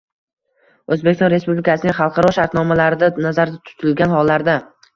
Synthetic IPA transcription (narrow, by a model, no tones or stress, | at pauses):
ɵzbekʲɪsɒ̃nɾe̞spublɪkʰasɪnɪŋχɑlˠqʰɑɾɒʃaɾt̪nɒmalaɾɪd̪anazaɾd̪at̪ʰʊ̥t̪ʰɪlɡʲanhɒlːaɾd̪a